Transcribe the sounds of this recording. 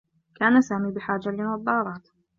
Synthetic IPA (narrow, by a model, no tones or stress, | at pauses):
kaːnasaːmiːbɪħaːd͡ʒalɪnɑd̪ˤːɑːɾˤɑːt̪